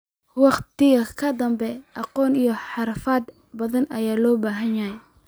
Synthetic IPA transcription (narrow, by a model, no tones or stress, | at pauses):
wɑqt̪ɪɣɐkʰɐd̪ɐmbɛʔɑqɔːnijɞħɑɾfɐːd̪ | bɐðɐnʔɐ̰jaːlɔːbaːɦɐnjɐɦɛ